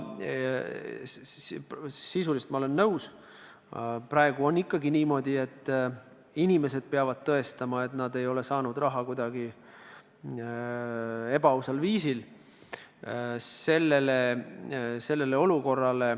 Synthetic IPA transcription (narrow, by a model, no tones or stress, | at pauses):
sisulist̪mɑole̞nːɤws | prɑe̞ɡ̥uo̞nːikːɑɡiniːmo̞d̪̥ʲie̞t̪ː | inʲime̞se̞d̪̥̚peɑvɑd̪̥̚t̪ɤe̞st̪ɑmɑe̞t̪nɑd̪e̞jo̞le̞sɑːnud̪̥rɑɦɑkujd̪̥ɑɡi | e̞bɑusɑlviːsil | se̞lːe̞le | se̞lːe̞leo̞luko̞rːɑle̞